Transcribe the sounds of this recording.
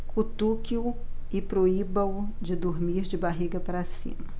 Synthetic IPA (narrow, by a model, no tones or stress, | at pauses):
kʰut̪ukiʊɪpɾoibɐ̃wʊd͡ʒɪd̪oɾmiɾd͡ʒɪbaɦiɡɐpaɾasḭ̃mɐ